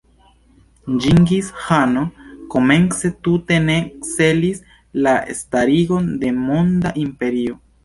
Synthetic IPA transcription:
d͡ʒiŋɡishanoko̞me̞nt͡se̞tute̞ne̞kse̞lis | laḛstaɾiɡo̞nde̞mondaʔimpe̞ɾio̞

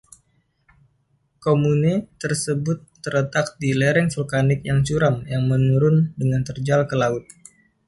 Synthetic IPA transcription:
komunit̪ərsəbʊt̪ːəɾət̪ak̚diləɾɛŋfulkanɪk̚jaŋt͡ʃuɾamjaŋmənuɾʊndəŋant̪ərd͡ʒalkəlaʊt̪̚

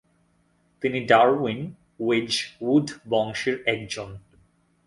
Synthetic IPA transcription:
t̪iniɖaɾwin | wed͡ʑwuɖʱbɔŋʃeɾɛk̚d͡ʑon

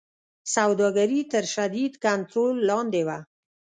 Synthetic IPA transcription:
sawd̪ɑɡaɾit̪əɾʃad̪id̪kant̪ɾolːɑnd̪ewa

